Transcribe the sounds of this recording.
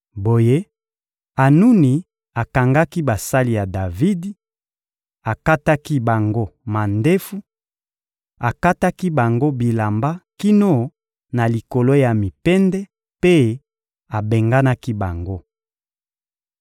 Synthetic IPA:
bo˨je˦ | a˨nu˦ni˨ | a˨ka˨ŋɡa˦ki˦ba˨sa˦li˨ja˨da˨vi˦di˦ | a˨ka˦ta˦ki˦ba˨ŋɡo˦ma˨nde˦fu˦ | a˨ka˦ta˦ki˦ba˨ŋɡo˦bi˨la˨mba˦ki˦no˦ | na˨li˨ko˨lo˦ja˨mi˨pɛ˦ndɛ˦ | pe˦ | a˨be˨ŋɡa˦na˦ki˦ba˨ŋɡo˦

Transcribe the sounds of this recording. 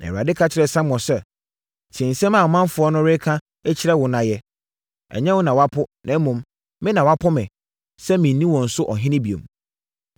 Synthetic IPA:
nã̰˨a˨dɪ˦kʰa˦t͡ɕʰɪ˨ɾɛ˨sã˦mː˦ɔ̃˨sɛ˦ | tʰɛ̃˨n̩˨sɛ̃˦mã˨mã˦m˦fʊ˨˦ɔ˦nʊ̃˦ɾɪ˦kʰã˦ | ɛ˦t͡ɕʰɪ˦ɾɛ˦wʊ˨nã˨jɛ˦ | ɛ̰˨ɲɛ̃˦wʊ˦nã˨wa˦pʰʊ˦nʔã˨˦mũ˨m | mɪ̃˦nã˨wa˦pʰʊ˦mɪ̃˨ | sɛ˦mĩ˨n˦nĩ˦wɔ̃˨n̩˨sʊ˦ʔɔ˨ɦɪ̃˦nɪ̃˦bi˨õ̰˨m

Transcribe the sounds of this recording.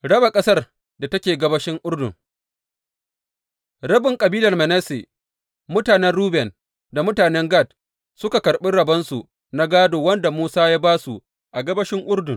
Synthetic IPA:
ɽɐ˦ba˨kʼɐ˦sɐ˦r | da˨tɐ˦kʲeː˨ɡɐ˦bɐ˦ʃɪ˦ŋʔʊ˦ɽdʊ̰˨ŋ | ɽɐ˦bɪ˨ŋkʼɐ˨biː˦lɐ˨rmɛ˨nɛ˦sḛ˨ | mʊ˦taː˨nɛ˦nɽuː˦bɛ˨n | da˨mʊ˦taː˨nɛ˦ŋɡa˦˨t̚ | sʊ˦ka˨kɐ˨ɾɓɪ˦ɽɐ˨bɐ˦nsu˨ | na˦ɡaː˦doː˨wɐ˦nda˨muː˦saː˦ja˦baː˦su˨ | ʔa˨ɡɐ˦bɐ˦ʃɪ˦ŋʔʊ˦ɽdʊ˨ŋ

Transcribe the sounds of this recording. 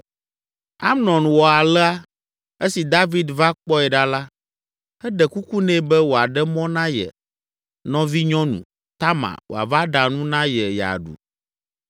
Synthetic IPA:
a̰˦mnɔ̃˨nwɔ˨a˨lɛ˦a˦ | e˦si˨d̪a˦vi˨d̪va˦k͡pɔ˦ɛ˨ɖa˦la˦ | ɛ˦ɖɛ˨ku˦ku˦nɛ̃˦bɛ˦wo˨a˨ɖɛ˦mɔ̃˦nã˦jɛ̰˨ | nɔ̃˦vi˦ɲɔ̃˦nṵ̃˨ | t̪a˦mã̰˨wo̰˨a̰˨va˦ɖa˨nũ˦nã˦jɛ˨ja̰˨ɖṵ˨

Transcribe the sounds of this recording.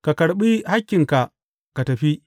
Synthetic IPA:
ka˨kɐ˨ɽɓi˦ha˦kʲːɪ˨ŋka˨ʔ | ka˨tɐ˨ɸi˦

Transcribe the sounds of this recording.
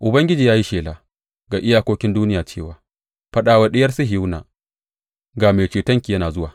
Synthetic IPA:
ʔʊ˨bɐ˦ŋɡʲɪ˦d͡ʒiː˨jaː˦ji˦ʃeː˨laː˨ | ɡaː˨ʔɪ˦jaː˦kʷoː˦kʲɪ˦nduː˦nɪ˦jaː˨t͡ʃeː˦˨waː˨ | ɸɐ˦ɗaː˨wa˦ɗɪ˦jɐ˦rsɐ˦ɦɪ˨˦wna̰ː˨ | ɡaː˨meː˨t͡ʃeː˨tɐ˦ŋkʲiː˨jɐ˦naː˨zʊ˦waː˨

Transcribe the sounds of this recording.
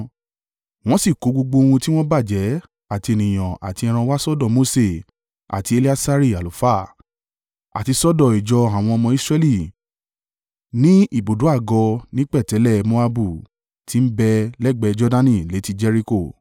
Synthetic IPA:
w̃ɔ̃˦si˦˨ko˨˦ɡ͡bo˧ɡ͡bo˧wũ˧ti˦w̃ɔ̃˦ba˦˨d͡ʒɛ˨˦ | a˦˨ti˧e˨nĩ˨j̃ã˨ʔa̰˨ti˧ɛ˧ɾ̃ã˧wa˦sɔ˦dɔ˦˨mo˧˦se˦˨ | a̰˨ti˧e˧li˦a˦sa˧˦ɾi˦˨a˨lu˨fa˦˨ | a̰˨ti˧sɔ˦dɔ˦˨i˨d͡ʒɔ˧a˨w̃ɔ̃˧ɔ˧mɔ̃˧i˦sɾɛ˧li˦˨ | nĩ˦i˦˨bo˨du˨˦a˦˨ɡɔ˧nĩ˦k͡pɛ˦˨tɛ˨˦lɛ˦˨mo˦a˧bu˦˨ | ti˨˦m̩˦bɛ˧lɛ˦ɡ͡bɛ˧˦d͡ʒɔ˧dã˧nĩ˧˨le˨˦ti˧d͡ʒɛ˧ɾi˧ko˦˨

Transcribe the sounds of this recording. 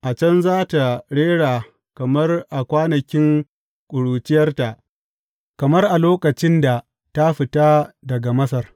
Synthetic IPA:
ʔa˨t͡ʃɐ˦nzaː˦ta˨ɽeː˦ɽaː˨ | kɐ˨mɐ˦rʔa˨kʷaː˦nɐ˨kʲɪ˦ŋ | kʷʼʊ˨ɽuː˨t͡ʃɪ˦jɐ˦rta˨ʔ | kɐ˨mɐ˦rʔa˨loː˦kɐ˨t͡ʃɪ˦nda˨ | ta˦ɸɪ˨ta˦dɐ˨ɡa˨mɐ˦s̬ɐ˨r

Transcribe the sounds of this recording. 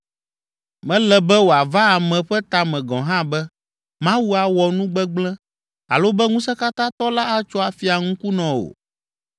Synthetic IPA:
mɛ̃˨˦lɛ˨bɛ˦wo˨a˨va˦a˨mɛ̃˨ɸɛ˦t̪a˨mɛ̃˨ɡɔ̰̃˨ɦã˦bɛ˦ | mã˦wu˦a˨wɔ˨nũ˦ɡ͡bɛ˦ɡ͡blɛ̃˦ | a̰˨lo˦bɛ˦ŋũ˦sɛ˦ka˦t̪ã˦t̪ɔ˦la˦a˦t͡ʃɔ˦a˨fi˨a˨ŋũ˦ku˦nɔ̃˨wo̰˨

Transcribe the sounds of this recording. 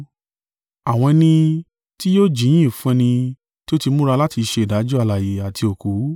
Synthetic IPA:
a˨w̃ɔ̃˧nĩ˧ | ti˦joː˦d͡ʒĩ˨˦ĩ˦˨fũ˦ɛ̃˧nĩ˧ | ti˦o˦ti˧mũ˦ɾa˧la˦ti˧ʃe˧i˨da˨˦d͡ʒɔ˦a˧la˨je˨a˨tʰi˧o˨ku˨˦

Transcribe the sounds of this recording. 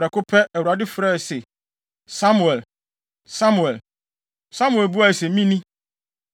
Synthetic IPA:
ɾɛ˨kʊ˦pʰɛ˦ʔɛ˨wu˨a˨dɪ˦fɾɛ˦˨sɛ˨ | sa˦mũ˨ɛ˨l | sa˦mu˨ɛ˨l | sã˦mu˨ɛ˨lbu˦a˨sɛ˨mĩ˦nĩ˦

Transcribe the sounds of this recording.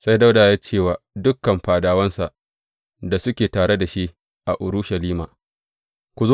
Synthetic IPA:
sa˦jda˦wdaː˨ja˦t͡ʃeː˦˨waː˨dʊ˦kːɐ˨mɸaː˨daː˨wɐ˦nsa˨ʔ | da˨sʊ˦kʲeː˨taː˨ɽe˦da˨ʃi˦ʔ | ʔa˨ʔʊ˨ɾʊ˦ʃa˨liː˦maː˨ | kʷu˨zo˦

